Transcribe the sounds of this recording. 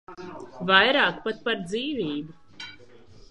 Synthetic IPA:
vajɾaːkpat̪̚paɾd̪ziːviːbu

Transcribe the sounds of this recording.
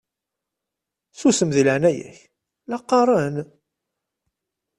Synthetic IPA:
θusəmðiləʕnæjæ̰ç | lɑqːɑɾˤɑn

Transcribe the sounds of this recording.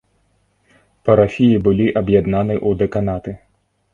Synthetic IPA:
pɐɾafʲijibɨlʲiʔɐbjad̪nanɨjʔud̪ɛkanat̪ɨ

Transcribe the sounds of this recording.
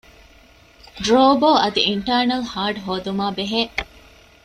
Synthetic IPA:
ɖɾoːboːɐd̪iiɳʈɐːɾnɐlhaːɖɦoːd̪umaːbeɦeːʔ

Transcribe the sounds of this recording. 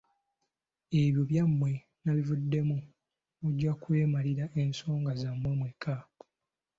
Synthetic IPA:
e̞βjoβjamːwe̞ | naβivudːe̞mu | βuɟːakuweːmaliɾaʔe̞nso̞ːŋɡazamːwemweka

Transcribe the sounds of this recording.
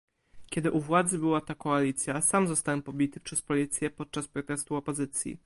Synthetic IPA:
kʲɛd̪ɘʔuvwad̪zɘbɘwat̪akɔalʲit̪sʲjasamzɔst̪awɛmpɔbʲit̪ɘpʂɛspɔlʲit̪sʲjɛpɔt̪̚t͡ʂaspɾɔt̪ɛst̪uɔpɔzɘt̪sʲjḭ

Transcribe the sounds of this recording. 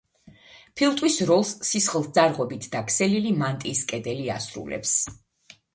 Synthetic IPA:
pʰilˠt̪ʼwisɾɔlˠsːisχlˠd̪zaɾʁɔbit̪ʰd̪akʰsɛlilimant̪ʼiːskʼɛd̪ɛlia̰sɾṵlɛ̰ps

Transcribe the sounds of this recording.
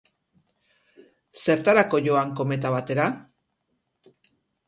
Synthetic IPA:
se̞ɾt̪aɾako̞ʝoaŋko̞me̞t̪aβat̪e̞ɾa

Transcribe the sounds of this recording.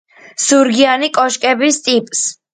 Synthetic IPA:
suɾɡianikʼɔʃkʼɛbist̪ʼipʼs

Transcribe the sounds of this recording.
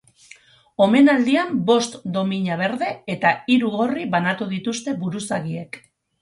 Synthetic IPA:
o̞me̞nald̪iambo̞st̪d̪o̞miɲaβe̞ɾðe̞et̪aiɾuɣo̞riβanat̪uðit̪ust̪e̞βuɾusaɣie̞k

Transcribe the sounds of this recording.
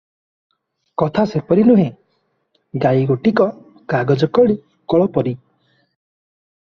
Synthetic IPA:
kɔt̪ʰasepɔɾinuɦẽ | ɡaiɡoʈikɔ | kaɡɔd͡ʒɔkɔɭi | kɔɭɔpɔɾi

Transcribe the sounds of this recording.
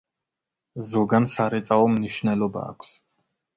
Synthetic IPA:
zɔɡansaɾɛt̪sʼaɔmniʃnɛlɔba̰ːkʷʰs

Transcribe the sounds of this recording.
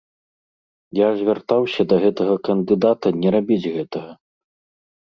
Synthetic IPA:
jazʲvʲart̪awsʲɐd̪ɐɣɛt̪ɐɣɐkɐnd̪ɨd̪at̪ɐnʲɛɾabʲid͡zʲɣɛt̪ɐɣɐ

